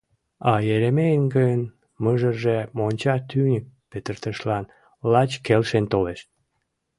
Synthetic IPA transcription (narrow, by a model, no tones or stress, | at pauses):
ɑjeɾemejənɡəjən | məʒərʒemonʲt͡ɕɑt̪ynʲək̚pet̪ərt̪əʃlɑn | lɑt͡ɕkelʃent̪oleʃ